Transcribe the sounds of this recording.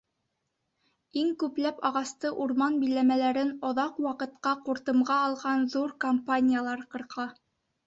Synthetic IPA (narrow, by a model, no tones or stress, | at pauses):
iŋkʉplæpɑʁɑst̪ɤʔuɾmɑnbijlæmælæɾɘnŏðɑqwɑqɤ̆t̪qɑquɾt̪ɤ̆mʁɑːlˠʁɑnðuɾkompanʲɪjalˠɑɾqɤ̆ɾqʰɑ